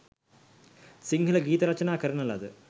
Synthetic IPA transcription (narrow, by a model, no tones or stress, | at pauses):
siŋɡʱɐlɐɡiːt̪ɐɾɐt͡ɕːɐnaːkɐɾinɐlːɐ̰ðɨ